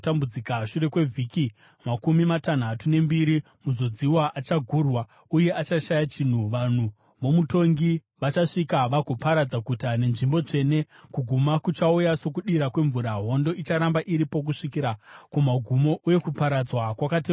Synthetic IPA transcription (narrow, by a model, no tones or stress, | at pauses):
tambud͡zikaʃuɾe̞kwe̞vʱiːki | makumimatan̤atune̞mbiɾi | muzo̞d͡ziwaʔat͡ʃaɡʱuːrwa | uje̞ʔat͡ʃaʃajat͡ʃin̤uʋan̤u | ʋo̞muto̞ŋɡi | ʋat͡ʃaʂikaʋaɡʱopaɾad͡zakutane̞nʐimbo̞t͡ʂe̞ne̞ | kuɡʱumakut͡ʃaujaso̞kuɗiɾakwe̞ɱvuɾaɦo̞ndo̞it͡ʃaɾambaʔiɾipo̞k̬uʂikiɾakumaɡʱumo̞ʔuje̞kupaɾad͡zwakwakate